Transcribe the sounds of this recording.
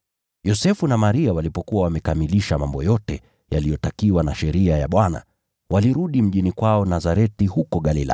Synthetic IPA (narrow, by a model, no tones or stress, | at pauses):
jɔsɛfunamaɾiawalipɔkuwawamɛkamiliʃamambɔjɔtɛ | jalijɔtakiwanaʃɛɾiaja̰ɓwana̰ | waliɾuɗim̩ʄinikwaɔnazaɾɛtihukɔɠalila̰